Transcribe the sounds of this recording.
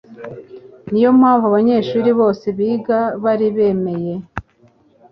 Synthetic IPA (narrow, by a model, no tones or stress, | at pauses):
nijo̞m̥haːɱvaβaɲe̞ʃuːɾiβo̞ːse̞βiːɡaβaɾiβe̞ːme̞je̞